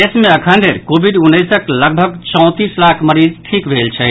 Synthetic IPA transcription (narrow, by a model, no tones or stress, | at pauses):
esmẽəkʰənd̪ʱeɾkobʱiɖunːəjsəkləɡ̚bʱəɡt͡ʃɔw̃t̪islakʰməɾid͡ʒʈʰikbʱelt͡ʃʰɛ